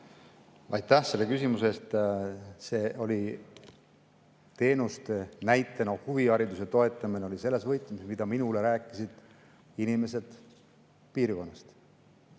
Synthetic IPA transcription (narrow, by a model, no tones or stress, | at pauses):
ɑ̰jt̪ːæhse̞lːe̞kysimuse̞st̪ | se̞ːʔo̞lʲi | t̪e̞ːnust̪enæjt̪ːˑenohuviɑɾid̪us̬et̪o̞e̞t̪ːˑɑmineo̞lise̞lːe̞svɤjt̪lmismid̪̥ɑminule̞ɾæːkːˑisid̪̥ | inime̞s̬e̞d̪̥ | piːɾko̞nːɑst̪